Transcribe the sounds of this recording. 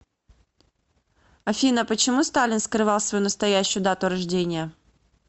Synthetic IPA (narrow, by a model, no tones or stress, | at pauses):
ɐfʲinəpət͡ɕɪmust̪alʲɪnskɾɨvɑlˠsvɐjunəst̪ɐjæɕːʊjʊd̪at̪ʊɾɐʐdʲenʲɪjə